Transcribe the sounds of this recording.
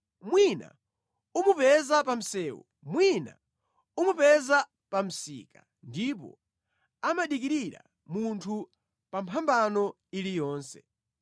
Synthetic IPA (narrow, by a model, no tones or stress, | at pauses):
mwina̰ | umupɛzapam̩sɛːwṵ | mwina̰ | umupɛza | pam̩sḭːka | ndipɔ̰ | amaɗik̬iɾiɾa̰ | muntʰu | pampʰambanɔ | ilijɔːnsɛ